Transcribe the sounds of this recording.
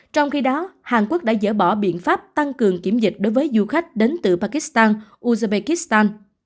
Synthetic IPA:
t͡ɕɔ˧wŋ͡mxi˧ɗɔ˨˦haː˨˩nkwu˦˥k̚ɗa̰ː˧˥zə̰ː˧˩ɓɔ˧˩ɓḭ˧˨ənfaː˦˥p̚t̪a˧ŋkɨ˨˩əŋki˧˩əmzï˨˩k̟̚ɗo˨˦jvəː˨˦jzu˧xa˦˥jk̟̚ɗe˨˦nt̪ɨ̰˧˨˩paː˧ki˦˥st̪aː˧nʔu˧za˧ɓe˧ki˦˥st̪aː˧n

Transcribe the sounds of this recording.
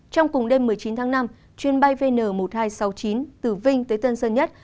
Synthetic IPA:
t͡ɕɔ˧wŋ͡mkʊ˨˩ŋ͡mɗe˧mːɨ˨˩əjt͡ɕi˨˦nt̪ʰaː˨˦ŋna˧m | t͡ɕwi˨˩ənɓa˧jve˧nəː˧˩mo˨˩t̚haː˧jsa˨˦wt͡ɕi˨˦nt̪ɨ˧˩vï˧ŋ̟t̪əː˨˦jt̪ə˧nsəː˧nɲə˦˥t̚

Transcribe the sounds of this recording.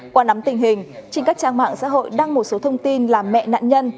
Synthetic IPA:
kwaː˧˩na˨˦mt̪ï˨˩ŋ̟hï˨˩ŋ̟t͡ɕi˧ka˦˥k̚t͡ɕaː˧ŋma̰ː˧˨ŋsa̰ː˧˥ɦo̰˧˨jɗaː˧ŋmo˨˩t̚so˨˦t̪ʰə˧wŋ͡mt̪i˧nlaː˨˩mmɛ̰˧˨na̰ː˧˨nɲə˧n

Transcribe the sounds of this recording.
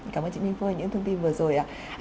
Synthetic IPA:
kaː˧˩mʔəː˧t͡ɕi˧˨˥i˧ŋfu˧˦a˨˩ɲɨ̰˧˥ŋt̪ʰə˧ŋ͡mt̪i˧nvɨ˨˩əzo˨˩jʔaː˨˩ | ʔ

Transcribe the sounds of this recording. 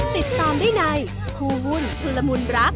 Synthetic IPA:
t̪i˨˩t̪̚saː˧ndaː˥˩jna˧j | kʰuː˧wu˧˥nt̪ʰɯ˧lːa˧mu˧nɾa˦˥p̚

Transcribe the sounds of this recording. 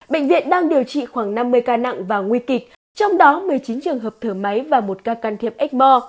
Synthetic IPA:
ɓḛ˧˨ŋ̟vḭ˧˨ənɗaː˧ŋɗi˨˩əwt͡ɕḭ˧˨xwaː˧˩ŋna˧mːɨ˧əjkaː˧na̰˧˨ŋvaː˨˩ŋwi˧kï˨˩k̟̚ | t͡ɕɔ˧wŋ͡mɗɔ˨˦mɨ˨˩əjt͡ɕi˨˦nt͡ɕɨ˨˩əŋɦəː˨˩p̚t̪ʰəː˧˩ma˨˦jvaː˨˩mo˨˩t̚kaː˧kaː˧˩nt̪ʰi˦˥˩əp̚ʔɛ˦˥k̟̚mɔ˧

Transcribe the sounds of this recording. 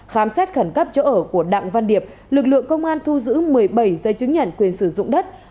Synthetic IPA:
xaː˨˩msaː˦˥t̚xə˧˩nkə˦˥p̚t͡ɕɔ˧˦ʔəː˧˩ku˧˩əɗa̰˧˨ŋva˧nɗi˨˩əp̚ | lɨ˨˩k̚lɨ̰˧˨əŋkə˧wŋ͡mʔaː˧nt̪ʰu˧zɨ̰˧˥mɨ˨˩əjɓa˧˩jzə˨˦jt͡ɕɨ˨˦ŋɲə̰˧˨nkwi˨˩ənsɨ˧˩zʊ̰˧˨ŋ͡mɗə˦˥t̚

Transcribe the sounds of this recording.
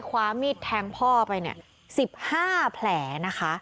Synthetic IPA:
kʰwaː˧˥miː˦˥˩t̪ʰːɛː˧ŋpʰɔː˥˩pa˧jni˥˩ɐ | si˨˩p̚haː˥˩pʰlɛː˩˦na˦˥kʰa˦˥ʔ

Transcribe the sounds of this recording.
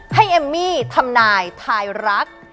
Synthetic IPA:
ha˥˩jʔe˧mːiː˥˩t̪ʰa˧mnaː˧jt̪ʰaː˧jɾa˦˥k̚

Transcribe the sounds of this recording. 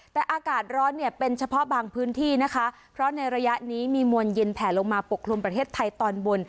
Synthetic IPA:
t̪ɛː˨˩ʔaː˧kaː˨˩t̪̚ɾɔː˦˥nːi˥˩ɐpe˧nt͡ɕʰa˧pʰɔ˦˥ʔbaː˧ŋpʰɯː˦˥nt̪ʰiː˥˩na˦˥kʰa˦˥ | pʰɾɔ˦˥na˧jɾa˧ja˦˥ʔniː˦˥miː˧mu˧ənji˧npʰɛː˩˦nlo˧ŋmaː˧po˨˩kʰːlu˧mpɾa˧t̪ʰeː˥˩t̪ʰːa˧jt̪ɔː˧nbo˧n

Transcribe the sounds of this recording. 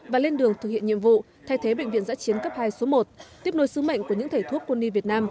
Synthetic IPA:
vaː˨˩le˧nɗɨ˨˩əŋt̪ʰɨ˨˩k̚hḭ˧˨nɲḭ˧˨əmvṵ˧˨ | t̪ʰa˧˩jt̪ʰe˨˦ɓə̰˧˨ŋvḭ˧˨ənza̰ː˧˥t͡ɕi˨˦ənkə˦˥p̚haː˧jso˨˦mo˨˩t̚t̪i˦˥əp̚no˨˦jsɨ˨˦ŋ͡mma̰˧˨jŋ̟ku˧˩ɲɨ̰˧˥ŋt̪ʰə˧˩jt̪ʰu˦˥əp̚kwə˧nːi˧vi˨˩ət̚naː˧m

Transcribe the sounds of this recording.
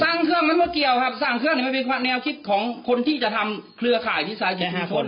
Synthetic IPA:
saː˧˥˩ŋkʰɯ˥˩əŋma˧˥˨nmɔː˧˩ki˨əwkʰa˦˥˩p̚saː˧˩ŋk̪ʰɯ˥˩˨niː˧˥˩m˧˩pe˧nkʰaː˧nɛː˧wkʰi˦˥t̪̚kʰɔː˩˦ŋkʰo˧nt̪ʰiː˥˩t͡ɕa˨˩t̪ʰa˧mkʰlɯ˧ɐkʰaː˨˩jt̪ʰiː˥˩saː˨˦jt͡ɕi˨˩a˧˥˩kʰo˨˧˦n

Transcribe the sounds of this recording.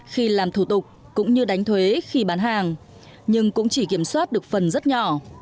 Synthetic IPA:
xi˧laː˨˩mt̪ʰu˧˩t̪ʊ˨˩k͡p̚ | kʊ̰˧˥ŋ͡mɲɨ˧ɗa˨˦jŋ̟t̪ʰwe˨˦xi˧ɓaː˨˦nɦaː˨˩ŋ | ɲɨ˧ŋkʊ̰˧˥ŋ͡mt͡ɕi˧˩ki˧˩əmswaː˦˥t̚ɗɨ˨˩ək̚fə˨˩nzə˦˥t̚ɲɔ˧˩

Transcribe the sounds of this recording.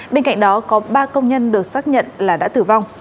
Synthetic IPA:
ɓe˧nka̰˧˨jŋ̟ɗɔ˨˦kɔ˨˦ɓaː˧kə˧wŋ͡mɲə˧nɗɨ˨˩ək̚saː˦˥k̚ɲə̰˧˨nlaː˨˩ɗa̰ː˧˥t̪ɨ˨˩va˧wŋ͡m

